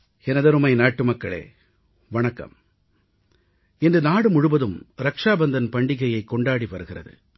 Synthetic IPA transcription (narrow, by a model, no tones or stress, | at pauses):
ɛnɐðɐɾɯmɐɪnaːʈːɯmɐkːɐɭḛː | ʋɐɳɐkːɐ̰m | ɛndrɯnaːɽɯmʊɻɯʋɐðɯmɾɐkʂaːbɐnd̪ɐnpɐɳɖɪɣɐjɐɪkːɔɳɖaːɽiʋɐɾɯɣɪrɐ̰ðɯ̰